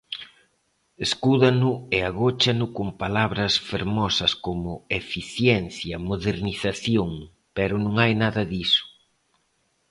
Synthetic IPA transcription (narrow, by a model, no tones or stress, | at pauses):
eskuðɐnʊeaɣot͡ʃanʊkompalaβɾɐsfeɾmɔsɐskomʊefiθjɛnθjɐmoðeɾniθaθjoŋ | pɛɾʊnõŋajnaðɐðisʊ̥